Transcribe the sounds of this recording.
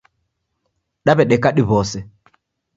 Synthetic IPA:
ɗaβɛɗɛkaɗiβɔsɛ

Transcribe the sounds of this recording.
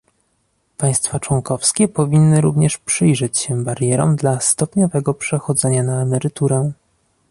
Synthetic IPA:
paj̃st̪fat͡ʂwɔŋkɔfskʲɛpɔvʲinːɘɾuvɲɛʂpʂɘjʐɛt͡ɕɕɛbaɾjɛɾɔ̰md̪last̪ɔpɲɔvɛɡɔpʂɛxɔd̪zɛɲanaːmɛɾɘt̪uɾɛ

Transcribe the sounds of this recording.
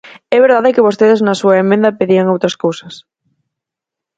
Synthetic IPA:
ɛβeɾðaðɪkɪβ̞ost̪eðɪznɐsuɐemːẽnd̪ɐpeðiaŋowt̪ɾɐskowsɐs

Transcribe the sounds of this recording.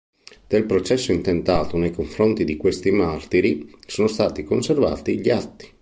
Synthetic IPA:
d̪̥elpɾot͡ʃɛsːoint̪ent̪aːt̪onejkoɱfɾont̪id̪ikwest̪imart̪iɾisoːnost̪aːt̪ikonserva̰ːt̪iʎiat̪ːi̥

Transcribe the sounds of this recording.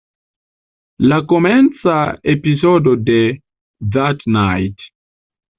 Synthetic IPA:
lakoment͡saepizodode | ðatnajt

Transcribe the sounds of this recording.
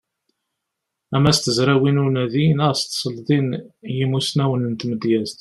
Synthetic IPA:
æmæst̪əzɾæwinʊɾnæðinəʁst̪sˤəlðˤinjimusnæwənənt̪məd̪jæzt̪

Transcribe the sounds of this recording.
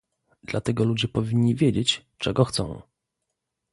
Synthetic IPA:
d̪̥lat̪ɛɡɔlud͡ʑɛpɔvʲiɲːivʲjed͡ʑet͡ɕ | t͡ʂɛɡɔxt̪sɔ̰̃w̃

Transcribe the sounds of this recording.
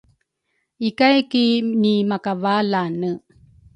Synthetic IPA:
ikajkinimakavalanə

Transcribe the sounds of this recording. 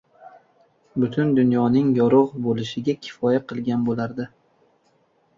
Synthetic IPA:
bʊt̪ʰʊnd̪ʊnjɒnɪŋjɒɾʊʁbolɪʃɪɡʲakʲʰɪ̥fɒjaqʰɨlˠɡʲanbolaɾd̪ɪ

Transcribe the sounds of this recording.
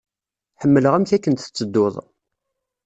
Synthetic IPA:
ħəmːələʁæmθækːənt̪θə̥t͡sːəd̪ːoðˤ

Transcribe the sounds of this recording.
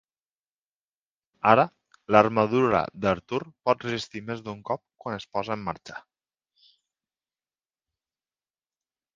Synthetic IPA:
aɾə | ləɾməðuɾə̰d̪əɾt̪uɾpɔt̪̚rəzist̪imezd̪uŋkɔp̚kwanəspɔzəemːaɾt͡ʃʰə̥

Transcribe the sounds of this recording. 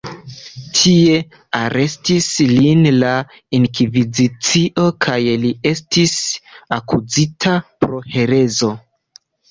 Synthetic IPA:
tʰie̞ | aɾʔe̞stislinla | inkivizit͡siʔo̞kʰajlie̞stisakuzitʰapɾo̞he̞ɾe̞zo̞

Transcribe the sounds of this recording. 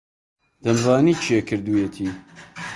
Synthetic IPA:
d̪̥ɐnzaːniːt͡ʃʰekʰɨɾd̪ujet̪ʰiː

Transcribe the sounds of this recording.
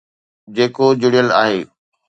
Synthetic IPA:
d͡ʑeːkod͡ʑʊɽijəla̰ːɦeː

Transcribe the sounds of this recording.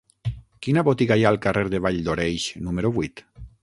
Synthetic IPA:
kinaβot̪iɣajaːlˠkareɾðeβ̞aʎd̪oɾejʃnumeɾuβuit̪

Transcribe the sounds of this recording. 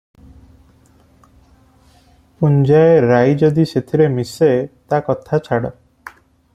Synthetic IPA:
und͡ʒaeɾajd͡ʒɔd̪iset̪ʰiɾemiset̪akɔt̪ʰat͡ʃʰaɽɔ̰

